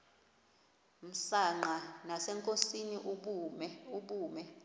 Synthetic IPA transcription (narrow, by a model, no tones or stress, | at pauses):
m̩saŋ͡ǃanasɛŋkʼosiniʔ | uɓuːmɛ